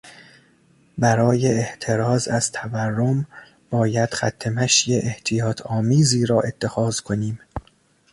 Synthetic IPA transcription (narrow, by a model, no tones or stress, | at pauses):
bæɾɒːjeːht̪ʰeɾɒːzæz̥t̪ʰæværːom | b̥ɒːjæd̪̥xæ̰t̪ʰːe̞mæʃjeʔeht̪ʰijɒːt̪ʰɒːmiːziːɾɒːʔe̞t̪ʰːe̞xɒːz̥kʰo̞niːm